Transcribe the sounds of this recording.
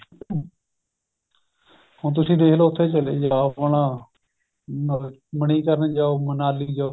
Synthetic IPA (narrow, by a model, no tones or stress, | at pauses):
ɦõːt̪ʊsĩːd̪eːɦloːʊt̪ʰːeːt͡ʃəleːd͡ʒaːʋəɳãː | məɳ̃iːkəɾənd͡ʒaːoːmənaːliːd͡ʒa